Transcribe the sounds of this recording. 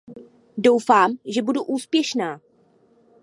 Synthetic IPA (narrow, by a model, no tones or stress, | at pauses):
do̞wfaːmʒɛbuduʔuːspjɛʃnaː